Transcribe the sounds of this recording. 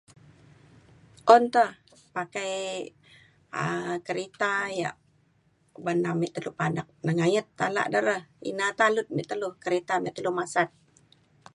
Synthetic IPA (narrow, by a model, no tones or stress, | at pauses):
ʔɔnt̪əhpakaj | əkəɾet̪aja̰ʔ | banamɛʔt̪əluhpadak̚nəŋajət̪ːala̰ʔdəɾəhḭnat̪alʊt̪̚mɛʔt̪əluhkəɾet̪amɛʔt̪ːəluhmasat̪̚